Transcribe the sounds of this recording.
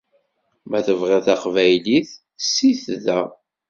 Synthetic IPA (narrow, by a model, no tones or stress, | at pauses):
mæθəvʁæθæχvæjliθ | sːiθðæ